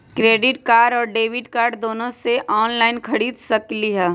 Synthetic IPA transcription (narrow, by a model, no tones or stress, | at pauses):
kɾeːɖɪʈkaːɖɔːɾɖeːʋɪɖkaːɾɖd̪oːnõseʔɔːnlaːɪnkʰɐɽiːd̪sɐkliɦɛː